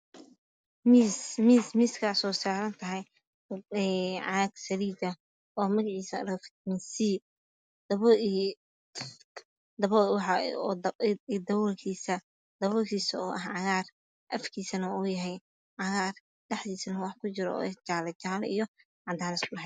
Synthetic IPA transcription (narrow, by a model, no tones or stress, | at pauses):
mismiːsmiːskʰaːsɔːsaːɾɐnt̪ʰɐɦɛj | ɛʕɑɡsɐɾiːd̪ɐ | ɔːmɐɣɐʕiːsɐɾɔfmɪsiː | d̪̥ɐβɔ | d̪ɐβɔwɑħɑːd̪d̪ɐβɔlkʰiːsɐ | d̪ɐβɔːkʰiːsɐɔːʔɐhʕɑɣaːr | ʔɐfkʰiːsɐnɐuːjɐɦɛj | ʕɑɣaːr | ɖɛħd̪iːsɐnɐwɑħkʰʊt͡ʃɪɾɔ̰ːɛt͡ʃaːlɛt͡ʃaːlḭjɔ | ʕɑnd̪ʰaːnɪskʊɽɐɦɛj